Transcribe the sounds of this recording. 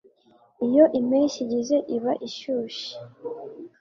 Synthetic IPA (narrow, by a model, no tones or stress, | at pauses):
ijo̞ʔimiʃiɟize̞ʔiβaʔiʃuːʃi̥